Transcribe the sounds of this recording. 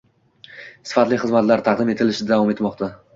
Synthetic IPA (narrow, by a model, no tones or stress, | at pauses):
sɪ̥fat̪lɪχɨzmat̪laɾt̪ʰaqd̪ɪme̞t̪ʰɪlɪʃɪd̪avɒme̞t̪mɒqt̪ʰa